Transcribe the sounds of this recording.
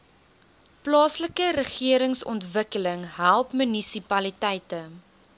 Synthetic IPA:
plɑːsləkəɾəχiəɾəŋsɔ̰ntvəkələŋɦælˠpmənisipɐlitɛjtə

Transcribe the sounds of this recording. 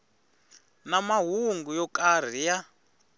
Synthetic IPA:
namaɦuŋɡujɔkʼar̤ija

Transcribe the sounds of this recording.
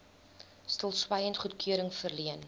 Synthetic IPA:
stəlˠswɐjəntχutkʰyəɾəŋfərliən

